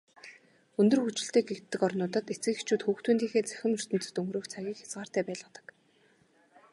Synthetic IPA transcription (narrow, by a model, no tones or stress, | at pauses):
ɵnt̪ɵ̆rxut͡ɕɪ̆ɬt̪eːɡekt̪ːɘ̆kɔrnʊːt̪ə̆t̪et͡sɘ̆xit͡ɕuːt̪xuːxt̪uːnt̪iːxeːt͡sæ̥xʲɪ̆mɵr̥t̪ɵ̆nt͡sɵ̆t̪ɵŋɡɾɵːkt͡sʰaɣʲiːkxʲḁt͡sɢaːr̥t̪æːpæːɮʊːt̪ə̥̆k